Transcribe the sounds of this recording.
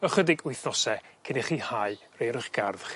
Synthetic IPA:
əχədɪɡʊjθnɔsɛkʰɪnɪχiːhaɨrejɾəχɡ̥arðχ

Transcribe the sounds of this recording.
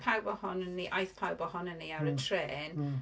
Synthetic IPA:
pʰawbɔhɔnənːiʔajθpʰawbɔhɔnənːiaɾətʰreːn

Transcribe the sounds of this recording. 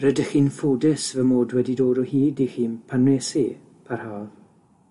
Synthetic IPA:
rədəxiːnfuːdɪsvəmoːdwɛdidoːɾɔhiːdixiːnpʰanwesi | pʰarhaːv

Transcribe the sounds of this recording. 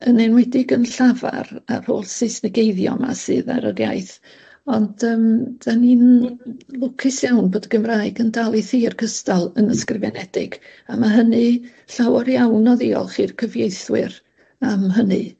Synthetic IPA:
ənenwɛdɪɡənɬava̰ra̰r̥ho̰ːlsɪsnəɡejðjɔ̰ma̰sɨ̰ːða̰ɾədja̰jθ | ɔndəːmd̥aniːn | lˠʊkʰɪsjawnboːdəɡ̥əmraɨɡəndalˠiθiːrkʰəstalˠənəskrɪvɛnɛd̥ɪ̰ɡ̥amaɦənɨ | ɬawɔɾjawnɔðiɔ̰lˠχiːrkʰəvjejθwɨr | amɦənɨ̰

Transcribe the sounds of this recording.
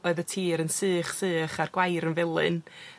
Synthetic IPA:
ɔɨðətʰiːɾənsɨːχsɨːχarɡwajɾənvɪlˠɨ̰n

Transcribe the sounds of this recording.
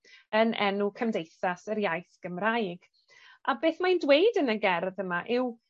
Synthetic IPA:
ənʔɛ̰nukʰəmdejθasəɾjajθɡ̥əmrajɡ̥ | ʔabeːθmajndwejdənəɡɛrðəmaʔɪw

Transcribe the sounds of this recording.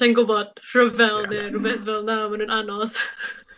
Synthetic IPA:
tɛnɡʊbɔd̥r̥əvɛlˠnɪrubɛθvɛlˠnamanuːnanɔð

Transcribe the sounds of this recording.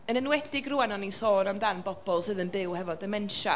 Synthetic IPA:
ənənwɛdɪɡruanɔnisoːɾamdanbɔb̥ɔlˠsɨðənbɪwhɛvɔdəmɛnʃa

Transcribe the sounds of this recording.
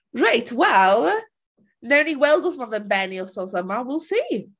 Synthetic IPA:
ɹaɪtʰwɛlˠ | nɛwniwɛlˠdɔsmavɛnbɛniɔsɔsamawɪlˠsiː

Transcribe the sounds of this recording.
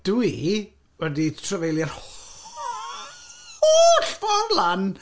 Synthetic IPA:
d̥ui | wɛditʰrəvejlˠjarh | oɬfɔrvlˠan

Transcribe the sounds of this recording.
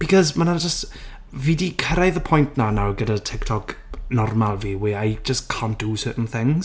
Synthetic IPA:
b̥ikʰɔzmanad͡ʒəst | viːdikʰəɾajðəpʰɔjntʰnanawɡədatʰɪktʰɔɡnɔrmalˠviwɪajd͡ʒəskʰand̥usəːʔn̩θɪ̃ŋz̥

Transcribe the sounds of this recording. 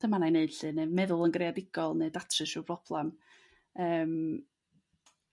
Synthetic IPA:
d̥əmananeɨd̥ɬɨnemɛðʊlˠənɡrejadɪɡ̥ɔlˠneːdatʰrɨʃub̥rɔb̥lˠɛm | əːm

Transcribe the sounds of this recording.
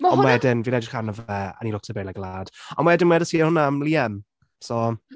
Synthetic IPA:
ɔnmaɛdɪnvinɛdɪ̥χanəvɛə̰nilʊktʰəbejlaɡlˠaːd̥ɔnmaɛdɪnmwɛdəsiːhʊnamliːɛm | sɔ

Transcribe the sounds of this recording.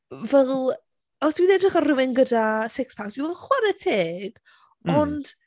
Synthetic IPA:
vɛlˠ | ɔsd̥wiðɛdrɪχɔrɪwɪnɡədasɪkspʰak̚td̥wivɔlχwaɾətʰeːɡ̥ | ɔnd̥

